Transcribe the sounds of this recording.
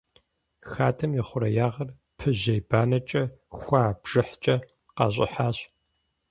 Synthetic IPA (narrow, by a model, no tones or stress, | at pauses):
xaːtʰɐmjɪχʷʊɾɐjaːʁɐr | pʰɨʑɐjbaːnɐt͡ʃʼɐxʷaːbʒ̥ɨħt͡ʃʼɐ | qɑ̰ɕ̬ʼɪ̰ħaːɕ